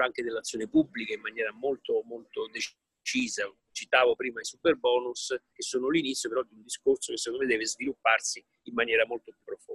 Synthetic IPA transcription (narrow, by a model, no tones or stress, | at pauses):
aŋk̟ed̪elːat̪sːjoːnepubːlikaimːanjɛːɾamolt̪omolt̪od̪e | t͡ʃiːza | t͡ʃit̪aːvopɾiːmaisupːerbɔːnusk̟esːuːnolinit̪sjopeɾɔd̪iund̪iskorsokesːekond̪omed̪ɛvezvilupːarsiːmːanjɛːɾamolt̪opːɾofo